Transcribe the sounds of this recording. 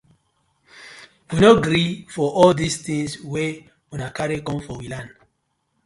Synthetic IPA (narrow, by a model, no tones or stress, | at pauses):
winoɡɾifɔʔɔldistĩŋswɛ | ũnakaɹikɔ̃mfɔwilãn